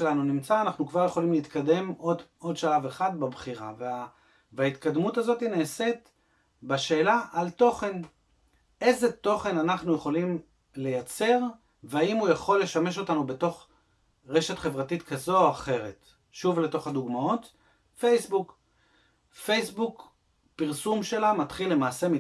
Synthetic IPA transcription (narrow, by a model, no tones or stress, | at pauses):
elanunimt͡saːnaχnukvaʁje̞χo̞limleit̪kade̞modo̞dʃalaveχad̪babχiʁa̰va | vait̪kad̪mutazo̞tineːset̪ | baʃe̞ːlaʔalto̞χe̞n | e̞jzet̪o̞χe̞nanaχnuje̞χo̞lim | le̞jat͡se̞ʁ | veaimujaχo̞lːe̞ʃame̞ʃo̞tanube̞to̞χ | ʁe̞ʃe̞tχe̞vʁatitkazo̞aχe̞ʁe̞t | ʃuvle̞to̞χaduɡmao̞t | fejsbuk | fejsbuk | piʁsumʃe̞lamatχilːe̞maːse̞mi